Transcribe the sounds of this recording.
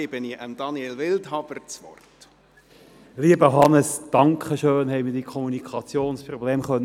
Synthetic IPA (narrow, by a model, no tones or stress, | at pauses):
ɪb̥əniʔəmd̥ɑnielʋɪlthɑbəɾt͡sʋɔ̰rt | liəbəɦɑnəsd̥ɑŋkχəʃøːnɦɛɪmiɪd̥ikʰɔmunikʰɑt͡sjoːnsprɔbleːmχœnː